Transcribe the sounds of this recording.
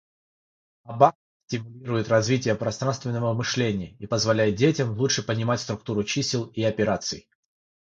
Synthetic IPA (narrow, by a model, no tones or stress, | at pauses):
ɐbax | sʲtʲɪmʊlʲiɾʊjɪt̪rɐzvʲitʲɪjəpɾɐst̪ɾanst̪vʲɪnːəvəvmɨʂlʲenʲɪjəipəzvɐlʲæjɪt̪̚dʲetʲəmlˠut͡ʂʂɨpənʲɪmatʲst̪ɾʊk̚t̪uɾʊt͡ɕisʲɪlˠiɐpʲɪɾat̪sɨ̰j